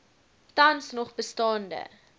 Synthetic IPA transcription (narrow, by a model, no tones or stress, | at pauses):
tɐnsnɔχbəstɑːndə̰